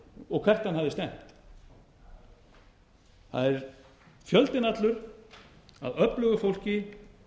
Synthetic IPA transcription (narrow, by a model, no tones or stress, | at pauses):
ɔɣkʰvɛr̥t̪hanhavðɪst̪ɛm̥t̪ | θa̰ðɛɾ | fjœlt̪ɪnat̪lʏɾ | a̰ðœplʏɣʏfowl̥cɪ